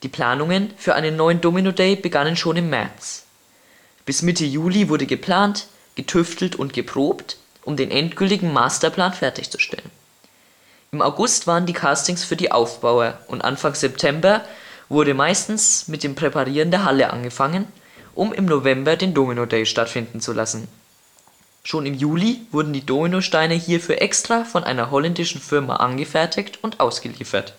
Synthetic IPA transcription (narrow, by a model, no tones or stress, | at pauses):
d̥iːpʰl̥a̰ːnʊŋənfyːɐʔa̰ɪnənːɔʏəndoːminodɛɪb̥əɡanənʃoːnɪmːɛ̰ɐt͡s | b̥ɪsmɪtʰəjuːlivʊɐɾəɡəpʰl̥aːnt | ɡ̥ətʰʏftʰl̩tʊntɡ̥əpʁ̥oːpt | ʔʊmdeːnʔɛntɡ̥ʏltɪɡŋ̩ma̰ːstɐpʰl̥aːnfɛɐtɪçt͡su̥ʃtʰɛ̰lən | ʔɪma̰ʊɡʊstv̥aːʁəndiːkʰaːstɪŋsfyːɐdiːʔa̰ʊfb̥aʊɐʔʊntʔa̰nfaŋz̥ɛptʰɛmbɐvʊɐɾəmaɪstn̩smɪt̚d̥eːmpʁ̥epaʁiːʁəndeːɐɦaləʔa̰nɡəfaŋən | ʔʊmʔɪ̰mnovɛmbɐdeːndoːminodɛːʃtatfɪndn̩t͡sulasn̩ | ʃoːnɪmjuːlivʊɐdn̩diːdoːminoʃtaɪnəhiːɐfyːɐʔɛkstʁ̥aːfɔnʔa̰ɪnɐɦɔlɛndɪʃn̩fɪɐma̰ʔa̰nɡəfɛɐtʰɪçtʊntʔa̰ʊsɡ̥əlḭːfɐ̰t